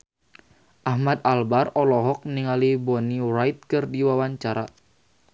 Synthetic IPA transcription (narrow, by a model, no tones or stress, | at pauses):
ʔahmad̪albarɔlɔɦɔk̚niŋalibɔnirajt̪̚kɨrdiwawaɲt͡ʃaɾa